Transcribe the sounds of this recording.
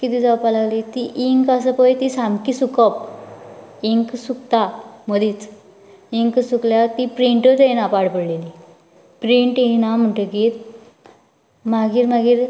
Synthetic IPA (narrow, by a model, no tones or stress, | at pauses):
kit̪iːd͡zaʋpalaʋlit̪iʔiŋkasəpəjt̪isamkisukəp̚ | iŋksukt̪aməd̪ʱiːt͡s | iŋksukljat̪ipɾiɳʈət̪enapaɽpəɽleli | pɾiɳʈiɦnam̤əɳʈəkit̪ | maɡiːɾmaɡiːɾ